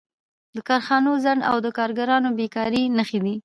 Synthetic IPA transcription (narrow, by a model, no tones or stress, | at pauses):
d̪əkɑɾxɑnozaɳa̰wd̪əkɑɾɡaɾɑnobekɑɾinəxed̪i